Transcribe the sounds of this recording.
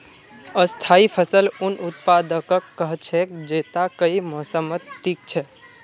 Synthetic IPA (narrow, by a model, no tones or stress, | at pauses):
əst̪ʰaipʰəsəlunut̪̚pad̪əkəkːəɦt͡ʃʰɛkd͡ʒet̪akəimɔsəmət̪ːik̚t͡ʃʰɛ